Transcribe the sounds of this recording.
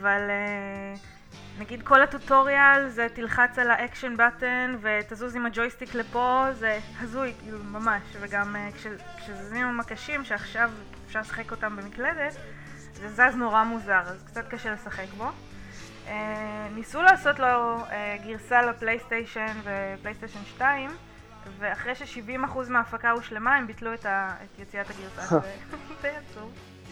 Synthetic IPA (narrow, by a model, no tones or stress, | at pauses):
avale | naɡid̪ko̞latuto̞ʁialzetilχat͡salaʔekʃonbatenve̞t̪azuzimad͡ʒojstiklepo̞ze̞hazujkiːlumamaʃveɡamekʃe | kʃezuzimamakaʃimʃeaχʃav | efʃaʁlesḁχeko̞tambemikle̞d̪e̞t | zezazno̞ʁamuzaʁazkt͡sat̪kaʃele̞saχe̞kbo̞ | ʔenisulaːso̞tloeɡiʁsalaplejstejʃenveplejstejʃonʃtaim | veaχʁejʃeʃivimaχuzmeaːfakauʃle̞maembitluetaetjet͡siataɡiʁsaʃeteat͡su